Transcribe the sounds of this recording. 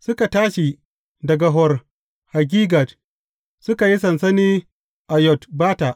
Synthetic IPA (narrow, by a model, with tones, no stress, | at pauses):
sʊ˦ka˨taː˦ʃi˨ | dɐ˨ɡa˨ɦɔ˨r | ha˨ɡ̬ʲiː˦ɡa˨t | sʊ˦ka˨ji˦sɐ˨nsɐ˦niː˦ | ʔa˨jɔ˨tbaː˦ta˨ʔ